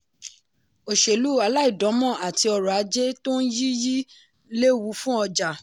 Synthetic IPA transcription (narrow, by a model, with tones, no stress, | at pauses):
o˨ʃe˨lu˨˦a˧la˦i˦˨dɔ̃˨˦mɔ̃˦˨a˨ti˧ɔ˧ɾɔ˨a˨˧˦d͡ʒe˦to˦n̩˦ji˦ji˦ | le˦wu˨˦fũ˦ɔ˧d͡ʒa˨